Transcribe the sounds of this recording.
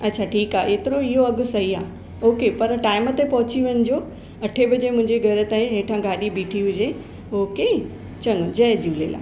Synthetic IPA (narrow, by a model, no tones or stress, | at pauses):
ɐtːɕʰaʈʰiːkaːʔeːt̪ɪɾoɪɦoɐɡʊ̆sɐɦiaː | oːkepɐɾʈaːɪmət̪epɐɦʊt͡ɕiʋənɪ̆d͡ʑoː | ɐʈʰebɐd͡ʑemʊ̃ɦɪ̃ɲd͡ʑeɡʱɐɾʊ̆t̪aɦẽɦeːʈʰãɡaːɗibiːʈʰiɦʊd͡ʑe | oːke | t͡ɕɐnod͡ʑɐd͡ʑuːlḛla̰ː